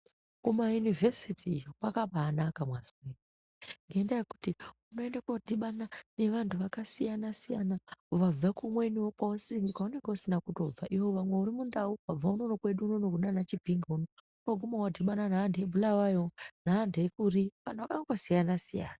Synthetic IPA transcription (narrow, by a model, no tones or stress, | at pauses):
kumajunivesitiːjopakaɓaːnakamwazimeni | ŋɡeendajeku̥tiuno̞e̞ndakodʱiɓanane̞ʋantʰuʋakasijanasijanauʋab͡vakumwe̞niwokaosiŋɡukaoneŋɡusinakuto̞b͡vaʔiɦoʋamwe̞uɾimundauab͡vaunonokwe̞ɗuːnonoɡʱunanat͡ʃibʱiŋɡauno | unoɡʱumawadʱiɓananaːndeebʱulawajonaːndeekuɾiʋanuʋakaŋɡosijanasija̰ːna